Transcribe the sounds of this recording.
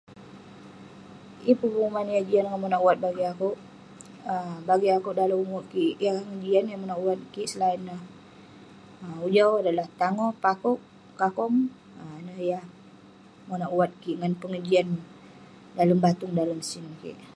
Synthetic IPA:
ipəbuŋumanjahd͡ʒianŋamonaʔwat̪̚baɡiakuʔ | əbaɡiakuʔdaləmaʔkiʔjahŋəd͡ʒianjamonaʔwat̪̚kiʔsəlainah | ud͡ʒawadalaht̪aŋɔpakuʔ | kakɔm | nəjah | monaʔwat̪̚kiʔŋanpəŋəd͡ʒian | daləmbat̪ʊŋdaləmsinkḭʔ

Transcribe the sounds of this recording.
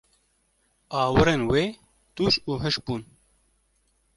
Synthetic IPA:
ɑːwɨɾeːnweː | t̪uːt͡ʃuːɦɨʃbuːn

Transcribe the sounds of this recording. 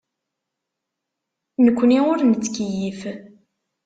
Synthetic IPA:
nəkʷːniʊɾnt͡sːkjif

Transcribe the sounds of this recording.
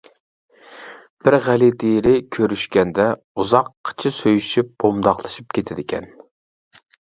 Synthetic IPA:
b̥ɪɾʁælid̪eɾɪkʲʰøɾyʃkʲɛnd̪ɛ | uzɑqʰːə̥t͡ʃʰɪsøjyʃyp̚b̥omd̪ɑχlˠɨʃip̚kʲʰet̪ʰɪd̪ɪkʲʰɛ̰n

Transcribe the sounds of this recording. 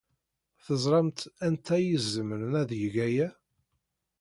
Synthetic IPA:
θəzˤɾˤɑmt̪ænt̪ʰæjəzːəməɾənæðjəʝæjæ

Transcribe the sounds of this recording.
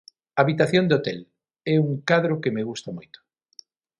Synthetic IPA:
aβit̪aθjond̪eot̪ɛl | ɛuŋkaðɾʊkemeɣ̞ust̪amojt̪ʊ̥

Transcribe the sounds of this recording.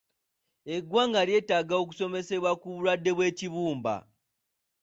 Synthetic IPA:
e̞ɡwaːŋɡaɾje̞ːtaɡao̞k̬u̥so̞me̞se̞βwakuβuɾwadːe̞βwe̞ːciβuːmba̰

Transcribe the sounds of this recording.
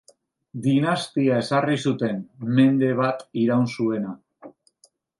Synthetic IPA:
d̪inast̪iae̞sarisut̪e̞nme̞nd̪e̞β̞at̪iɾawnsue̞na

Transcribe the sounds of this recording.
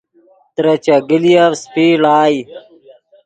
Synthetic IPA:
t̪ɾɐt͡ɕɐɡilijaspiːlaːji

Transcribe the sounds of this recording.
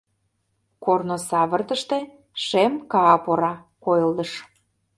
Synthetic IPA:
kornosɑβə̆rt̪ə̆ʃt̪e̽ | ʃemkɑːpoɾɑ | kojəld̪ə̆ʃ

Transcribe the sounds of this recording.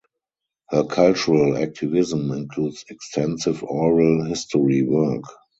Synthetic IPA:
hɜːkʰalt͡ʃuɹəlæ̰k̚tʰɪvɪzə̃mɪ̃nkʰluːdsɛkstʰɛ̃nsɪvɔɹalhɪstɔɹiwɜ˞k

